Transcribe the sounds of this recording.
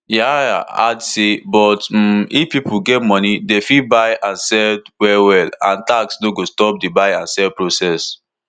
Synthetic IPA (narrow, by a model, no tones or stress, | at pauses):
jajaa̰dsebɔt̩ifpipuɡɛtmɔnidefibaɪãnsɛdwɛwɛlã̰ntaksnoɡostɔp̚debaɪãnsɛlpɹosɛs